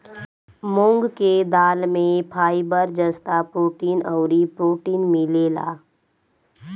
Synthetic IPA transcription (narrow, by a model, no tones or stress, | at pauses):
mʊ̃ŋɡked̪aːlmẽpʰaːibəɾd͡ʒəst̪apɾoːʈiːnɔʊɾipɾoːʈiːnmɪleːla̰ː